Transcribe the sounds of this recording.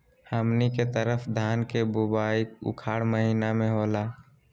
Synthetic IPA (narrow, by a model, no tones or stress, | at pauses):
həmniket̪əɾəfʰd̪ʱaːnkebubaːikʊ̰kʰaːɽməɦiːnamẽɦoːla